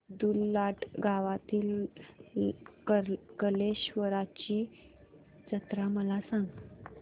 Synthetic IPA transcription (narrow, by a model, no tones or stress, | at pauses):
d̪ulːaʈɡʱaʋat̪iːl | kəkəleɕʋəɾat͡ɕi | t͡sət̪ɾaməlasãŋɡ